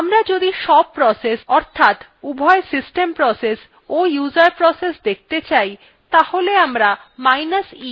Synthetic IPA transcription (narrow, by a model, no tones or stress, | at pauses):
amɾad͡ʑod̪iʃɔb̚pɾɔsesɔɾt̪ʰat̪ | ubʱɔesisʈempɾɔses | ojuzaɾpɾɔsesd̪ek̚ʰt̪et͡ɕaj | t̪aholeamɾamajnasi